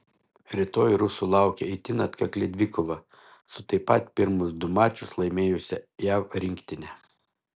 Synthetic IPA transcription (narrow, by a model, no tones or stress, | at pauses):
ɾʲɪt̪oːjɾʊsulˠɑˑʊkʲɛɪt̪ʲɪnɐt̪kɐklʲɛd̪ʲʋʲɪkɔʋɐ | sʊt̪ɐɪpɐt̪pʲɪɾmʊsd̪ʊmɑːt͡ʃʲʊslˠɐɪmʲeːjʊsʲɛjæːwɾʲɪŋʲkt̪ʲɪnʲɛ